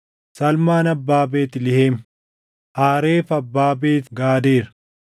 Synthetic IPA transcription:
sɐlmaːnɐbːaːbeːt̪ɪlɪheːm | ʔaːɾeːfɐbːaːbeːt̪ɡaːd̪eːɾɐ̥

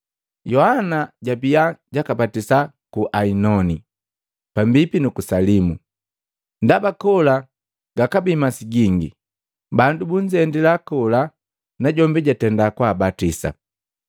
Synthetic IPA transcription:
jɔhanaɟabiaɟakapatisa | kuʔainɔni | pambipinukusalimu | ndabakɔla | ɡ̥akabimasiɟiŋɡi | bandubuɲd͡ʒɛndilakɔla | naɟɔmbiɟatɛndakwabatisa̰

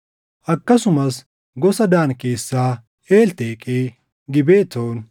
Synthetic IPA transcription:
ʔɐkːɐsʊmɐs | ɡɔsɐd̪aːnkeːsːaː | eːlt̪eːkʼeː | ɡɪbeːt̪ːoːn

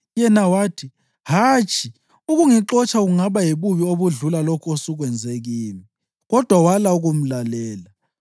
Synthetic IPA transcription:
jɛnawaːtʰi | hat͡ʃʼʰi | uɣuŋiǁɔt͡ʃʼʰaɣuŋaβajeβuβioβuɮulalɔkʰosuɣwɛnd͡zʱeɣiːni | ɣɔd̥ʱwawalauɣum̩lalɛːla

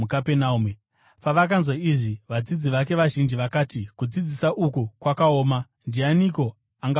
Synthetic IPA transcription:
ukapenaume | paʋakanzwaiʐiʋad͡zid͡ziʋake̞ʋaʒind͡ʒiʋakaːtikud͡zid͡zisaʔukukwakao̞ːma | ndianiko̞ | aŋɡa

